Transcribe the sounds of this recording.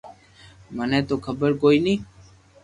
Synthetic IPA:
mənɛ̃ːt̪oːkʰəbəɾkoːiːnĩː

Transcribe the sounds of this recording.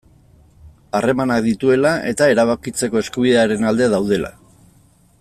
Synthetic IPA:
are̞manakd̪it̪ue̞lae̞t̪ae̞ɾaβakit͡se̞ko̞e̞skuβiðeaɾe̞nald̪e̞aðawð̞e̞lʔa̰

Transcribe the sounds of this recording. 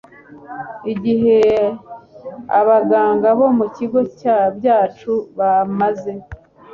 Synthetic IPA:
iɟiɦe̞ | aβaɡaːŋɡaβo̞muciɡo̞caːbjaːt͡ʃuβamaze̞

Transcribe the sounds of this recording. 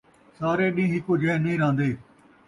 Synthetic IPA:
saːɾeːɗĩːɦɪkoːd͡ʒʱẽːnĩːɾãːnd̪eː

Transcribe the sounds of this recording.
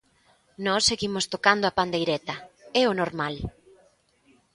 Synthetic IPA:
nɔsːeɣimʊst̪okand̪oapand̪ejɾɛt̪ɐɛʊnoɾmal

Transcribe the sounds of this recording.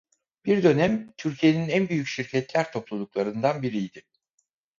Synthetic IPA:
b̥iɾd̪ø̞næmt̪ʰyɾcʰije̞ninænbyjycʃiɾcʰɛt̪lʲæɾt̪ʰo̞plˠulˠuklˠaɾɯnd̪anbiɾijd̪ɪ

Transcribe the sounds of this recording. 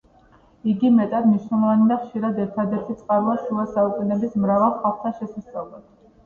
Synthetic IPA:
iɡimɛt̪ʼad̪mniʃnɛlˠɔvanid̪aχʃiɾad̪ɛɾt̪ʰad̪ɛɾt̪ʰit̪sʼqʼaɾuasulˠasaukʼunɛbismɾavalˠχalˠχt̪ʰaʃɛsasʼalˠɔ

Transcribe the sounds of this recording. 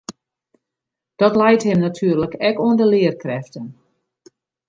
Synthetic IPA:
d̥ɔtlɛjthɪmnatʰyːərləkɛkoəndəlɪərkrɛftən

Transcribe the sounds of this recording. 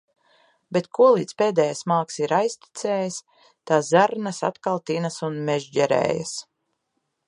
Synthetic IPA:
bet̪kuɔlˠiːd̪speːd̪ɛːjasmaːksiɾajst̪i̥t̪sɛːjis | t̪aːzaɾnasa̰t̪kalˠt̪inasunmeʒd͡ʒɛɾɛ̰ːja̰s

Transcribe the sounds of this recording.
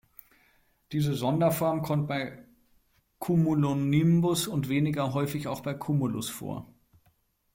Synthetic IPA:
d̥iːzəzɔndɐfɔɐmkʰɔmt̚b̥aɪ | kʰumulonimbʊsʊntv̥eːnɪɡɐɦɔʏfɪçaʊxb̥aɪkʰumʊlʊ̰sfo̰ːɐ

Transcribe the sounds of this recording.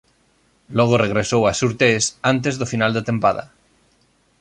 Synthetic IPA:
loɣoreɣ̞ɾesowasuɾt̪esant̪ezðofinald̪et̪ẽmpaða̰

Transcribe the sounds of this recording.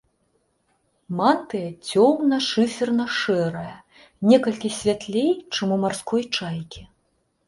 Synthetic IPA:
mant̪ɨjɐt͡sʲɔmnɐʂɨfʲɛrnɐʂɛɾɐjɐ | nʲɛkɐlʲkʲisʲvʲat̪lʲejt͡ʂɨmumarskʰɔjt͡ʂajkʲi

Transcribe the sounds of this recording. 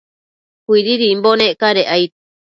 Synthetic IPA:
kʷiɾiɾimbonẽʔkaɾeʔajt̪

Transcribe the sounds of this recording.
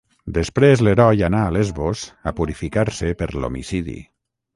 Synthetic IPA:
d̪əspɾezleɾɔjanaːlezβosapuɾifikaɾsepəɾlo̰mḭsiðḭ

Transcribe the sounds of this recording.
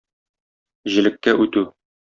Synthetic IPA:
ʑɘ̆lɘ̆k̚kæʔʉt̪ʉ

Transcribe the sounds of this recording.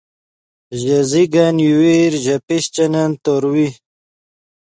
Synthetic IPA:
ʑɐziɡanjuweɾʑɐpiɕt͡ɕɐnɐnt̪oɾwi

